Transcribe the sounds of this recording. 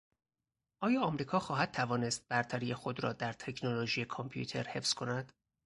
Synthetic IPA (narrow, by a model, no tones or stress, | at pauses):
ʔɒːjɒːɒmɾiːkʰɒːxɒːɦæd̪̥̚t̪ʰævɒːne̞st̪̚bæɾt̪ʰæɾije̞xo̞d̪ɾɒ̰ːd̪æɾt̪ʰe̞cʰnoloʒiːjekʰompʰijṵt̪ʰe̞̰ɾhe̞fz̥kʰo̞næd̪̥